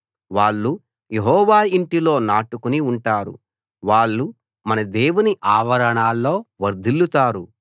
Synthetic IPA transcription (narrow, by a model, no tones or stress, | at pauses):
ʋaːɭːu | jeɦɔːʋaːiɳʈilo̞ːnaːʈukuniuɳʈaːɾṵ | ʋaːɭːu | mɐnɐd̪eːwuniʔaːʋɐɾɐɳaːlːo̞ːʋɐɾd̪ʱilːut̪aːɾu